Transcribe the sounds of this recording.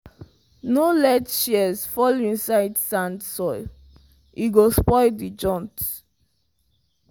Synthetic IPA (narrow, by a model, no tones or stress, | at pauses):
nolɛtʃiɛsfɔlĩnsaɪdsãndsɔɪl | ʔiɡospɔɪdid͡ʒɔ̃nt